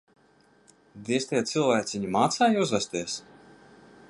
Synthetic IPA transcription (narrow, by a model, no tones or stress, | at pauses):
d̪ʲiɛst̪ɛjat̪sɨlˠvæːk̪ʲsʲiɲimaːt̪saːjiuzvast̪iɛs